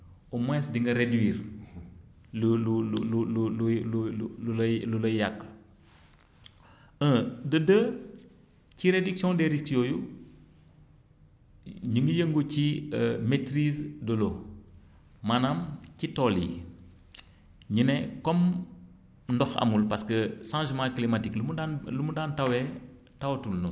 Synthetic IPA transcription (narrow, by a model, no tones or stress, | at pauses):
umɛsdiŋɡɐɾedwiːɾ | lululllullullulojakː | ədədə | ciɾediksiɔ̃ndeɾistijoju | ɲiŋɡəjəŋɡuciəmetɾizdolo | manamcitoli | ɲinekɔm | ndɔxɐ̰mulpaskəsãʒmãklimatiklumudanlumudaːntawe | tawtulnu